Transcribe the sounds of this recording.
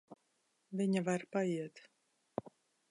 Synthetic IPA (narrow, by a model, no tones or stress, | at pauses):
viɲavaɾpaiɛt̪